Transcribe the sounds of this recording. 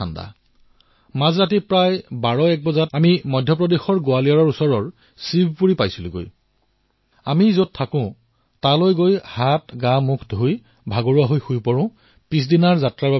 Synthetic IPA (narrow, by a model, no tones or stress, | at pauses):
anda̰ | mazɹatipɹajbaɹɔɛk̚bɔzatamimɔjdʱjɔp̬ɹɔdexɔɹɡoaliaɹɔɹusɔɹɔɹ | sibʱpuɹipajsilʊ̃ɡo̰j | amizot̚tʰakʊ̃ | talojɡojhatɡãmukʰdʱoj | bʱaɡoɹuaɦojxujpɔɹʊ̃ | pis̬dinaɹzatɹaɹba